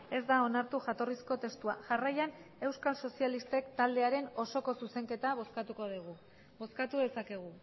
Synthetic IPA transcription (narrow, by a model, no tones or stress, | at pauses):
e̞zd̪ao̞naɾt̪uʝat̪o̞risko̞t̪e̞st̪uaʝarajane̞wskalso̞sialist̪e̞kt̪ald̪e̞aɾe̞no̞so̞ko̞suse̞ŋke̞t̪aβoskat̪uko̞ðiɣu | bo̞skat̪uðe̞sake̞ɣ̞u